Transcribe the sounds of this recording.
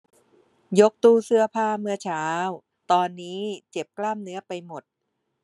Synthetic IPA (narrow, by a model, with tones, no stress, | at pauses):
jo˦˥k̚t̪uː˧sɯ˧ɐpʰaː˧mɯ˧ɐt͡ɕʰaː˦˥w | t̪ɔː˧nːiː˦˥t͡ɕe˨˩p̚klaː˥˩mnɯ˦˥ɐpa˧jmo˨˩t̪̚